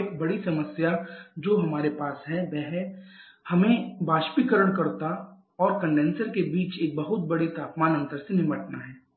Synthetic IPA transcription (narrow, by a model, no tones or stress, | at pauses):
k̚bɐɽisɐməsjad͡ʒoːɦɐmaːɾepaːsɦɛʋɛɦɛ | hɐmẽbaːʃpikəɾəɽ̃kɐɾt̪a | ɔːɾkɐ̃ɳɖẽːnsəɾkebiːt͡ʃeːk̚bɐɦʊt̪̚bɐɽit̪aːpmaːnɐ̃nt̪əɾsenɪməʈnaɦɛː